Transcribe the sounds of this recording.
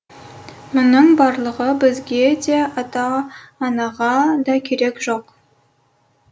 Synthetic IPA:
mʊnəɴbɑɾlˠəʁəbɪzɡʲe̞d̪e̞ɑt̪ɑːnɑʁɑd̪ɑkʲʰeɾe̞kʒoq

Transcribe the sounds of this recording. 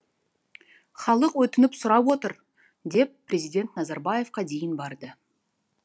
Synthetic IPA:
χɑlˠəqwɵt̪ɪnɪpsʊɾɑpwo̞t̪əɾ | d̪e̞p̚ʰːɾʲe̞zijd̪ʲe̞nt̪nɑzɑɾbɑje̞fqɑd̪e̞jɪnbɑɾd̪ə

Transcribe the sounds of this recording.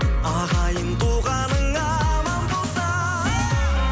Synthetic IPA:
ɑʁɑjənt̪ʰuʁɑnəŋɑmɑmbolˠsɑ

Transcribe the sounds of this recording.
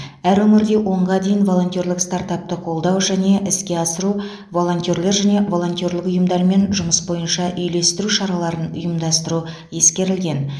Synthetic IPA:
æɾwɵmɪɾd̪e̞wʔo̞ɴʁɑd̪e̞jɪnvo̞lˠo̞nt̪jo̞rlɪkst̪aɾt̪ɑp̚t̪əqʰo̞lˠd̪ɑwʒæne̞ʔɪskʲe̞ɑsəɾu | vo̞lˠo̞nt̪joɾle̞ɾʒæne̞vo̞lˠo̞nt̪jo̞rlɪkʊjəmd̪ɑɾme̞nʒʊməsbo̞jənʃɑʔʏjle̞st̪ɪɾuʃɑɾɑlˠɑɾənʊ̰jəmd̪ɑst̪əɾu | je̞skʲe̞ɾɪlɡʲe̞n

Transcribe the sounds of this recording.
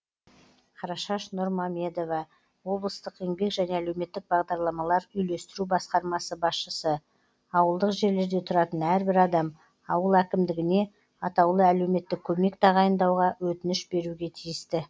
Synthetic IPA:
qʰɑɾɑʃɑʃnʊɾmɑmʲe̞d̪o̞vɑ | wo̞blˠəst̪əqe̞ŋbe̞kʒæneæle̞wme̞t̪ːɪk̚bɑʁd̪ɑɾlˠɑmɑlˠɑɾʏjle̞st̪ɪɾubɑsqɑɾmɑsəbɑsʃəsə | ɑwəlˠd̪əqʒe̞ɾle̞ɾd̪e̞t̪ʰʊɾɑt̪ənæɾbɪɾɑd̪ɑm | ɑwəlˠækʲɪmd̪ɪɡʲɪne̞ | ɑt̪ɑwlˠəæle̞wme̞t̪ːɪkʲʰɵme̞kt̪ʰɑʁɑjənd̪ɑwʁɑwɵt̪ɪnɪʃbe̞ɾuɡʲe̞t̪ʰijɪst̪ɪ

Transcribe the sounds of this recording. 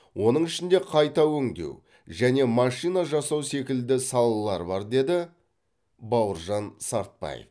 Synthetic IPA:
wʔo̞nəɴɪʃɪnd̪e̞qʰɑjt̪ɑwɵŋd̪e̞̰w | ʒæne̞mɑʃijnɑʒɑsɑwse̞kʲɪld̪ɪsɑlˠɑlˠɑɾbɑɾd̪e̞d̪ɪ | bɑwəɾʒɑnsɑɾt̪̚pɑ̰jḛf

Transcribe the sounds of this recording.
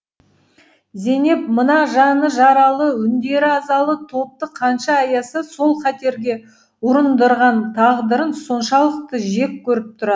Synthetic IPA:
ze̞ne̞p̚mənɑʒɑnəʒɑɾɑlˠəʏnd̪e̞ɾɪɑzɑlˠət̪ʰo̞p̚t̪əqʰɑnʃɑːjɑsəso̞lˠqɑt̪e̞ɾɡʲe̞ | wʊɾənd̪əɾʁɑnt̪ʰɑʁd̪əɾənso̞nʃɑlˠəq̚t̪əʒe̞k̚ʲkʲʰɵɾɪp̚t̪ʰʊɾɑə

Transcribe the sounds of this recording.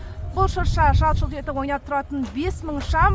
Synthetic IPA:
b̥ʊlˠʃʊɾʃɑʒɑlˠʃəlˠt̪e̞t̪ɪwo̞jnɑt̪ʰʊɾɑt̪ənbe̞sməɴʃɑm

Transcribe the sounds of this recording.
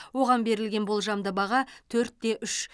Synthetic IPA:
wo̞ʁɑnbe̞ɾɪlɡʲe̞nbolˠʒɑmd̪əbɑʁɑt̪ʰɵɾt̪ːe̞ʔʏʃ

